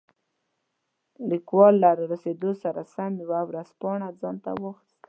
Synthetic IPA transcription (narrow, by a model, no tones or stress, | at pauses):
likwɑlːaɾaɾased̪osaɾa̰samjawawɾaspɑɳad͡zɑnt̪a̰woxs